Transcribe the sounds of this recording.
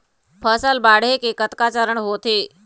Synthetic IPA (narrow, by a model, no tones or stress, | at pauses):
pʰəsəlbaːɽ̤ekekət̪kaːt͡ɕəɾəɳɦoːt̪ʰe